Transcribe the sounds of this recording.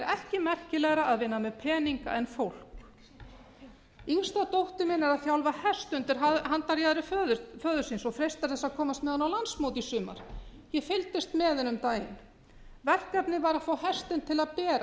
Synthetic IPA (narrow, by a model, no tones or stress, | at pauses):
ɛɾʔɛhcɪmɛr̥cɪlɛɣɾaaðvɪnːamɛðpʰɛːniŋka̰ʔɛnfowl̥k | inst̪at̪owht̪ʏmɪnɛɾaðθjawlvahɛr̥st̪ʏnt̪ɪɾ̥ɦaðɦant̪aɾjaːðɾɪfœːðʏfœːðʏɾ̥sinsɔɣfɾejst̪aɾ̥θɛsːaðkʰɔːmast̪mɛːðanawlansmoːwt̪isʏːma̰ɾ̥ | jɛfɪlt̪ɪst̪mɛːðɪnʏmt̪aːjɪ̰n | vɛr̥kɛpnɪvaɾaðfoːwhɛr̥st̪ɪnt̪ʰɪlaðpɛːɾa